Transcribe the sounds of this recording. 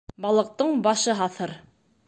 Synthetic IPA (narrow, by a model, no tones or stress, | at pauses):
bɑlˠɤ̆q̚t̪ɤɴbɑʃɤɦɑθɤɾ